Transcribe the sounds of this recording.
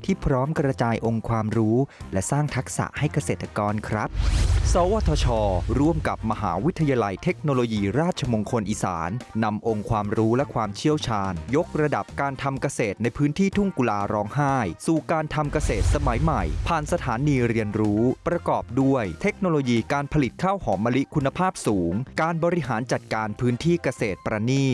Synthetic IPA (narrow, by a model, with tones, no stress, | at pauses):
t̪ʰiː˥˩pʰɾɔː˦˥mkɾa˧t͡ɕaː˧jʔo˧ŋkʰwaː˧mɾuː˦˥lɛ˦˥saː˥˩ŋt̪ʰa˦˥k̚sa̰˨˩ʔha˥˩jka˧seː˨˩t̪ːa˧kɔː˧nkʰɾa˦˥p̚sɔː˨˦waː˧˩t̪ʰɔː˧t͡ɕʰɔː˧ɾu˥˩əmka˨˩p̚ma˧ɦa̰ː˩˦wi˦˥t̪ʰːa˧jaː˧la˧jt̪ʰe˦˥k̚noː˧loː˧jiː˧ɾaː˥˩t̪̚t͡ɕʰa˧mo˧ŋkʰo˧nʔiː˨˩sa̰ː˩˦nːa˧mʔo˧ŋkʰwaː˧mɾuː˦˥lɛ˦˥kʰwaː˧mt͡ɕʰi˥˩əwt͡ɕʰaː˧njo˦˥k̚ɾa˧da˨˩p̚kaː˧nt̪ʰa˧mka˧seː˨˩t̪̚na˧jpʰɯː˦˥nt̪ʰiː˥˩t̪ʰu˥˩ŋku˧laː˧ɾɔː˦˥ŋɦaː˥˩jsu˨˩kaː˧nt̪ʰa˧mka˧seː˨˩t̪̚sa˧ma˩˦jma˨˩jpʰaː˨˩nsa˧t̪ʰaː˩˦niː˧ɾi˧ənɾuː˦˥pɾa˧kɔː˨˩p̚du˥˩əjt̪ʰe˦˥k̚noː˧loː˧jiː˧kaː˧npʰa˧li˨˩t̪̚kʰaː˥˩whɔː˩˦mːa˧li˦˥ʔkʰu˧nːa˧pʰaː˥˩p̚suː˩˦ŋkaː˧nbɔː˧ɾi˦˥ɦaː˩˦nt͡ɕa˨˩t̪̚kaː˧npʰɯː˦˥nt̪ʰiː˥˩ka˧seː˨˩t̪̚pɾaː˧niː˥˩